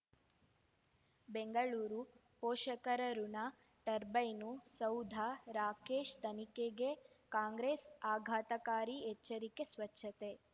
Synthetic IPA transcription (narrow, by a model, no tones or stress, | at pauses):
beŋɡɐɭuːɾu | poːʃɐkɐɾɐɾunɐ | ʈɐɾbɐjnusɐwd̪ʱaɾaːkeːʃt̪ɐnikeɡe | kaːŋɡɾeːsaːɡʱaːt̪ɐkaːɾiɛt͡ʃːɐɾikesʋɐt͡ʃʰːɐt̪e̞